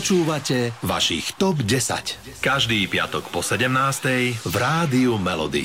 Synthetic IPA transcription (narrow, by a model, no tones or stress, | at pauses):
t͡ʃuːʋacɛʋa̰ʃḭxt̪ɔbɟɛsa̰c | kaʒd̪iːpɪa̰t̪ɔkpɔsɛɟɛmnaːst̪ɛjvɾaːd̪iumɛlɔ̰d̪ḭ